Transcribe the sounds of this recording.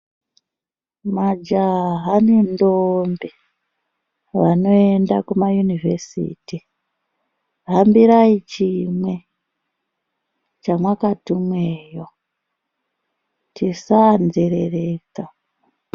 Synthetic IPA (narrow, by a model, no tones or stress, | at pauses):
mad͡ʒaɦanendombe | ʋano̞endakumajunivesḭːti | ɦambiɾait͡ʃimwe̞ | t͡ʃamwakatimweːjo | tʰisand͡zeɾereːka